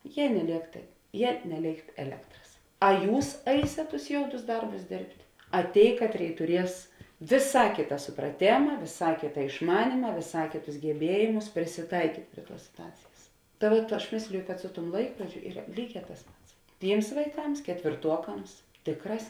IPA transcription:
ˈjiɛ nʲɛˈlʲeːk tɐɪ ˈjiɛ nʲɛˈlʲeːɪkt ɛˈlʲæːktrɐs ɐ ˈjuːs ˈɐɪsʲeːt tʊs ˈjoːʊdʊs ˈdɐrbʊs ˈdʲeːrʲpʲtʲ ɐ ˈtʲeːɪ ˈkɑːtʲˌrʲeːɪ tʊˈrʲiɛs ʋʲeːˈsɑː ˈkʲeːtɐ sʊprɐˈtʲeːmɐ ʋʲeːˈsɑː ˈkʲeːtɐ ɪʃˈmɑːnʲiːmɐ ʋʲeːˈsɑː ˈkʲeːˌtʊs ɡʲɛˈbʲiɛjeːmʊs pʲrʲɪsʲɪˈtɐɪkʲiːtʲ ˈpʲrʲiɛ ˌtuɔs sʲɪtʊˈɑːt͡sʲeːjɛs tɐ ˈʋuɔt ˈɐʃ ˈmʲeːsʲlʲɪjʊ kɐt ˈsʊ ˌtuɔm ˈlˠɐɪkroːd͡ʒʲʊ ˈiːrɐ ˈlʲiːˌɡʲɛː tɐs ˈpɐts ˈtʲiːms ʋɐɪˈkɐms kʲɛtʲʋʲeːrˈtuɔkɐms ˈtʲeːkˌrɑːs

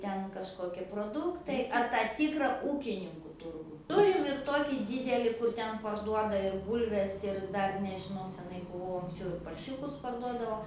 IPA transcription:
ˈtʲɛn kɐʃˈkoːkʲiɛ proːˈdʊktɐɪ ɐr ˈtɑː ˈtʲiːkrɐ ˈuːkʲɪnʲɪŋkʊ ˈtʊrɡuː ˈtʊrʲɪm ɪr ˈtoːkʲiː ˈdʲiːdʲɛlʲɪ kʊr ˈtʲɛn pɐrˈduɔdɐ ɪr ˈbuːlʲʋʲɛs ɪr ˈdɐr nʲɛʒʲɪˈnɐʊ sʲɛˈnɐɪ bʊˈʋɐʊ ɐŋksʲˈt͡ʃʲɛʊ ɪr pɐrʲˈʃʲʊkʊs pɐrˈduɔdɐʋoː

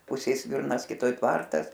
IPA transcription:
ˈpʊsʲeːj ˈsʲʋʲɪrnɐs kʲɪˈtoːj ˈtʋɐrtɐs

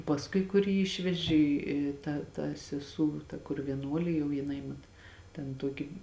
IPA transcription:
pɐsˈkʊɪ kʊr ˈjiː ˈɪʃʲʋʲɛʒʲɪ ɪ ˈtɐ tɐ sʲɛˈsuː tɐ kʊr ʋʲiɛˈnuɔlʲeː jɛʊ jɪˈnɐɪ mɐt tʲɛn ˈtuɔkʲɪ

